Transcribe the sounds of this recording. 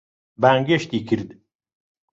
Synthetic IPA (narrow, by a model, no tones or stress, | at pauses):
baːŋɡeʃt̪ikʰiɾd̪